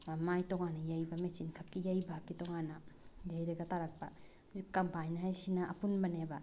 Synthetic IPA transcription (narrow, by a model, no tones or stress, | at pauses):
majtɔŋanajajbamet͡ʃinkʰap̚kijajbakːitɔŋanajajɾɐɡataɾɐk̚ba̰ | zikɐmpajnɦajsinaɐ̰punbɐneba